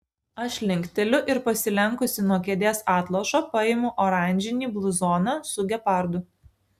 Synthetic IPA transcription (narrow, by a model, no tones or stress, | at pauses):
ɐʃʲlʲɪŋʲkʲt̪ʲɛlʲʊʔɪɾpɐsʲɪlʲɛŋˑkʊsʲɪnuɔkʲɛd̪ʲeːsɑːt̪lˠoʃoːpɐɪmʊʔɔɾɑˑnʲd͡ʒʲɪnʲiːblˠʊzɔːnɐsʊɡʲɛpɑˑɾd̪ʊ